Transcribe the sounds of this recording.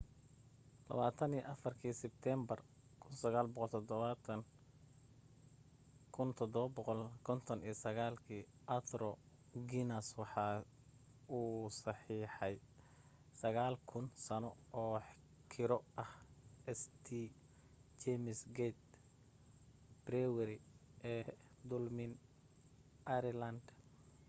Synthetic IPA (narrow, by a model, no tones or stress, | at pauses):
lɐ̰βaːt̪ʰɐnijʔɐfɐrkʰiːsɪb̚t̪ʰɛmbɐr | kʰʊnsɐɣaːlbɔqɔlt̪ʰɔd̪ɔβɐt̪ʰɐn | kʰʊnt̪ʰɔd̪ɔβɐbɔqɔlkʰɔnt̪ʰɔnijsɐɣaːlkʰiːʔɐt̪ʰrɔɡinɐswɑħɑː | uːsɑħiːħɑj | sɐɣaːlkʰʊnsɐnɔɔːħ | kʰɪɾɔʔɐhɛst̪ʰi | t͡ʃɛmɪsɡɛt̪̚ | b̥rɛwɛɾɪʔɛː | d̪ʊlmɪn | ʔɐɾɛlɐnd̪